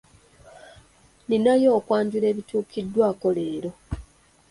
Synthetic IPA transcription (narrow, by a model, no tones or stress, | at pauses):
ninajo̞ːkwaːɲɟuɾe̞ːβituːkidːwaːko̞le̞ːɾo̞